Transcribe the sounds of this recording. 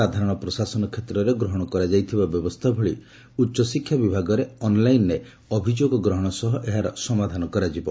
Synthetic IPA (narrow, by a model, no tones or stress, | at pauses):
ad̪ʱaɾɔɽ̃ɔpɾɔsasɔnɔkʰet̪ɾɔɾeɡɾɔɦɔɽ̃ɔkɔɾad͡ʒajt̪ʰibabjɔbɔst̪ʰabʱɔɭḭ | utːʃɔsikʰːjabibʱaɡɔɾeɔnlajnɾe | ɔbʱid͡ʒoɡɔɡɾɔɦɔɽ̃ɔsɔɦɔʔeɦaɾɔsɔmad̪ʱanɔkɔɾad͡ʒibɔ